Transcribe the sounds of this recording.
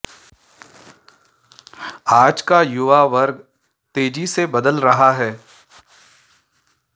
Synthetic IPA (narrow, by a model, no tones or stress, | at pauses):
aːd͡ʒkajʊʋaʋɐɾɡ | t̪eːd͡ʒisebɐd̪əlɾɐɦaɦɛː